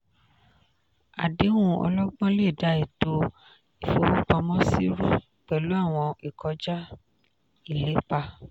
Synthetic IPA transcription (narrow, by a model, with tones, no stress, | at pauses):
a̰˨de˨˦wũ˦ɔ̰˧lɔ˦ɡ͡bɔ̃˦le˦˨da˨˦i˨to˧ | i˨fo˧˦wũ˦k͡pɔ˧mɔ̃˦si˦ɾũ˦ | k͡pɛ˨lu˨˦a˦˨w̃ɔ̃˧i˨kʰɔ˨˦d͡ʒa˦ | i˦˨le˨˦k͡pa˧